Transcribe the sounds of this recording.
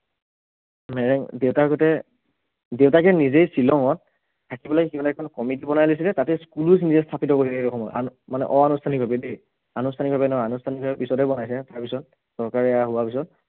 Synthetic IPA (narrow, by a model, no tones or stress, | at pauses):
mɛɹɛŋdewtaɡɔtɛ | dewtakɛnizejsilɔŋɔt̚ | tʰːakibɔlakimanaɛkʰɔnkɔmitibɔnajlis̬ilɛtatɛskulus̬nizɛstʰapitɔkoɦilaɔkʰɔmɔjʔa̰nmanɛ̰ʔɔanustʰanik̚bʱabɛdej | anustʰanik̚bʱabɛnɔanustʰanik̚bʱabɛpisɔtɛbɔnajsɛtaɹpisɔt̚ | sɔɹkaɹɛaɦʊwapisɔt̚